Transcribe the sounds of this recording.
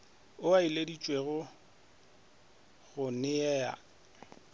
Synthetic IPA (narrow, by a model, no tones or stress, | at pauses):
ʊailedit͡ʃʼweɣʊ | ɣʊnɪɛːa̰